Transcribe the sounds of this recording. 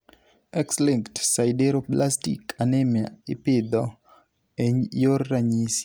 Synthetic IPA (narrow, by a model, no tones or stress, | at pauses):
ɛkslɛŋktsaɪdɛɾoplʔastḭkʰanɪmjaɪpɪd̪ɔ | eɲjoɾːaɲis